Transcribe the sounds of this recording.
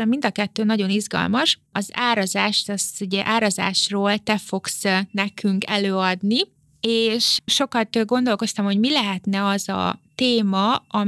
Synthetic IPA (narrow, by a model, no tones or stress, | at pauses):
ɛmind̪ɒkɛt̪ːøːnɒɟo̞nizɡɒ̰lmɒʃ | ɒzaːɾɒzaːʃt̪ɛsuɟɛʔaːɾɒza̰ːʃroːlt̪ɛfo̞ksnɛkyŋkɛløːɒd̪ni | eːʃʃo̞kɒt̪ɡo̞nd̪o̞lko̞st̪ɒmho̞ɟmilɛɦɛt̪nɛɒzɒ̰t̪eːmɒɒ